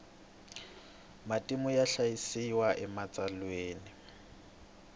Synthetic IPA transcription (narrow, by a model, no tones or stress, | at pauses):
matʼimʊjaɬajisiwaʔɛmat͡sʼalweːnɪ